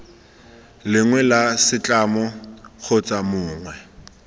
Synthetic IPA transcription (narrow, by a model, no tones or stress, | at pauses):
lɪŋwɛlasɪt͡ɬʼamɔk͡xʰot͡sʼamʊːŋwɛ